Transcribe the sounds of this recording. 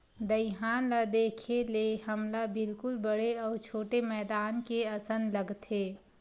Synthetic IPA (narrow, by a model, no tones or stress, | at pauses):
d̪əɪɦaːnlad̪eːkʰeleɦəmlabɪlkʊlbəɽeɔːɾt͡ʃʰoːʈemɛːd̪aːnkeɐsənləɡt̪eː